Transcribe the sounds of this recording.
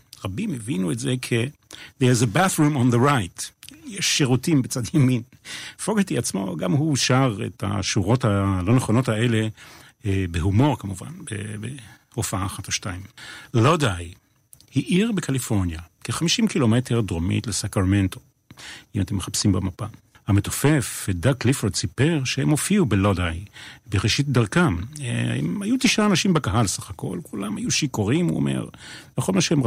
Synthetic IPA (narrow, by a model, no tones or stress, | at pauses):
ʁabimevinuetzekʰeðeʁizebaθʁumonðəʁajtjɛʃːeʁutimbet͡sadjamin | foɡetiat͡smo̞̰ɡamɦuʃaʁḛta̰ʃuʁo̞thalo̞neχo̞no̞thae̞le | beɦumo̞ʁkamuva̰nbḛbe | ofaaːχatoʃtaimlodaj | hiʔiʁbekʰalifo̞ʁnjakeχamiʃimkilo̞meteʁd̪ʁomḭtlesakʁmento̞ | imat̪emːeχapsimbemapa | hamet̪ofefed̪aklifoʁdsipeʁʃehemofiubelodajbeʁeʃit̚d̪aʁkamaḛmajut̪iʃaːnaʃimbekaɦalsaχako̞̰lkʰulamhajuʃikoʁimṵo̰mḛʁleχolmaʃehemʁ